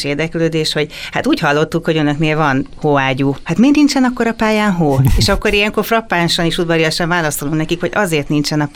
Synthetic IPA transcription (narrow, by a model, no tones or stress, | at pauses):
ʃeːrd̪ɛkløːd̪eːʃho̞ɟhat̪uːchɒlːo̞t̪ːukho̞ɟønø̞kneːlvɒnhoːaːɟuːhat̪meːnint͡ʃɛnɒkːo̞ɾɒpaːjaːnɦoːeːʃɒkːo̞ɾijɛŋko̞rfrɒpːaːnʃɒniʃud̪vɒlijɒʃɛɱvaːlɒst̪oluŋknɛkikho̞ɟɒ̰zeːrt̪nint͡ʃɛnɒp